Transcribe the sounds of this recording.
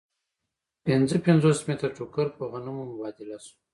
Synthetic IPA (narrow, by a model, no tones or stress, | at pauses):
pɪnd͡zəpɪnd͡zosmet̪aʈukəɾpəɣanumomʊbɑd̪ilasu̥